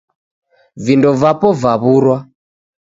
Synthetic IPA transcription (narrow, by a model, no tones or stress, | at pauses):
vindɔvapɔvaβuɾwa